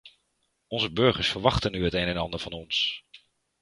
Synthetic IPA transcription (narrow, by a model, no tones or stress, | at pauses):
ɔnzəbɵɹχəɹsfəɹʋɑχtənyɦətejnɛnɑndəɹvɑnɔns